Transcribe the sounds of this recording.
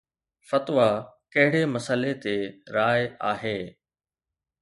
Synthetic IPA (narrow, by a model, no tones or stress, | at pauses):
fɐt̪ʋakɐɦɪɽemɐsəlet̪eɾaːjaːɦeː